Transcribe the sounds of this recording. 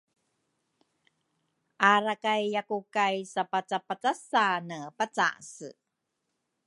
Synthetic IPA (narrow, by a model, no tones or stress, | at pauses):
ʔaɾakajːakukajsapat͡sapat͡sasanəpat͡sa̰sə̰